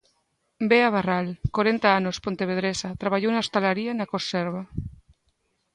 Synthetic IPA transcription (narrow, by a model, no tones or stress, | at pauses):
beaβaralkoɾent̪aanospont̪eβeðɾesat̪ɾaβaʎownast̪alaɾianakoseɾβa